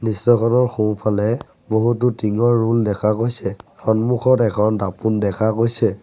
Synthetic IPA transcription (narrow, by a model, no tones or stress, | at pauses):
nistɔkʰɔnɔɹxũpʰalɛ | boɦutʊtiŋɔɹːuldɛkʰakojsɛxɔnmuxʰɔtɛkʰɔndapundɛkʰakojsɛ